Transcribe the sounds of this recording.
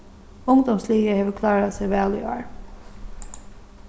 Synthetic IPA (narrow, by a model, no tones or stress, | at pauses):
ʊŋd̪ʊmsliːkəheːʋəkʰlɑːɹasɛɪʋæːlɪ̰ɑːɹ